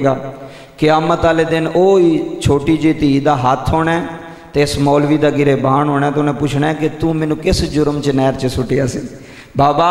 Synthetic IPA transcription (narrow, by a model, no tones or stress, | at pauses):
ɡaː | kɪaːmət̪aːleːd̪ɪnoːiːt͡ʃʰoːʈiːd͡ʒiːt̪iːd̪aːɦət̪ʰɦoːɳɛː | t̪eːsmɔːlʋiːd̪aːɡɪɾeːbaːɳɦoːnɛːt̪ːnẽːpʊt͡ʃʰnɛːkɪt̪ũːmɛːnũːkɪsd͡ʒʊɾəmt͡ʃnɛːɾt͡ʃəsʊʈɪjaːsiː | baːbaː